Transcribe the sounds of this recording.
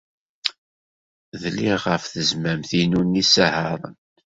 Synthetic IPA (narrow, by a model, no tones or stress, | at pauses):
ðliʁəfθəzmæmθinunːisəhəɾˤə̰n